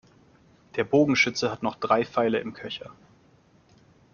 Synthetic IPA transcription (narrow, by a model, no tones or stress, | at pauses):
d̥eːɐboːɡŋ̩ʃʏt͡səhatnɔχd̥ʁaɪfaɪləɪmkʰœçɐ